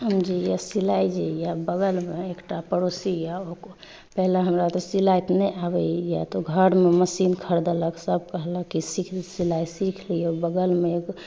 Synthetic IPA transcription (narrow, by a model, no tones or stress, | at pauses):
ɦəmd͡ʒijasilajd͡ʒejabəɡəlmeːkʈapəɾosijaoko | pɛɦleɦəmɾat̪ɔsilajt̪nɛabɛjat̪oɡʱəɾmeməsinkʰəɾd̪eləksəb̚ʱkəɦləkːisikʰsilajsikʰliobəɡəlmek